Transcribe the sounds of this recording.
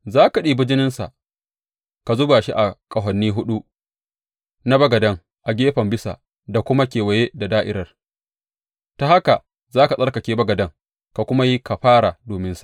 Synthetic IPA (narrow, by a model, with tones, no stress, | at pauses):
zaː˦ka˨ɗiː˦bɪ˦d͡ʒɪ˦nɪ˦nsa̰˨ʔ | ka˨zʊ˦baː˨ʃi˦ʔa˨kʼɐ˨ɦɐ˨nːiː˦ɦʊ˦ɗu˦ | na˦bɐ˦ɡɐ˨dɐ˦ŋ | ʔa˨ɡʲeː˦ɸɐ˨mbɪ˦sa̰˨ | da˨kʷʊ˦ma˦kʲeː˨wɐ˨je˦da˨daː˦ʔɪ˦ɾɐ˨r | ta˨ha˦ka˨ | zaː˦ka˨sʼɐ˦rkɐ˨kʲeː˦bɐ˦ɡɐ˨dɐ˦ŋ | ka˨kʷʊ˦ma˦ji˦ka˨ɸaː˦ɽa˨doː˨mɪ˦nsḁ˨ʔ